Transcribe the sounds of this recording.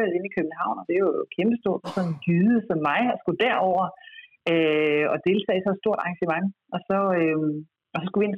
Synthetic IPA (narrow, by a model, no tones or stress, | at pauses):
el̩ˠe̝nikʰøb̥̚n̩ɦɑ̈ʊ̰nɒd̥e̝jkʰemb̥əsd̥o̝ɐ̰d̥ɑsɒ̽nnɡ̥yːð̩ˠəsɒ̽mːɑ̈ɪɒ̽sɡ̥ud̥æɐ̰ɒʊ̰ɐ | øɒ̽d̥e̝lt͡sʰɛ̰ːɪsɒ̽sd̥o̝ɐ̰d̥ɑ̈ŋɕəmɑ̈ŋʔɒ̽sɒ̽øm | ɒ̽sɒ̽sɡ̥uʋie̝n